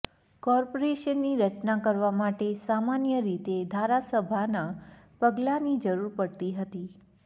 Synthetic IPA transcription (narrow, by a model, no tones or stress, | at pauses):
kɔɾpoɾeʃənːiɾət͡ʃnakəɾʋamaʈesamanjəɾit̪ed̪ʱaɾasəbʱana | pəɡlanid͡ʒəɾuɾpəɽt̪iɦət̪i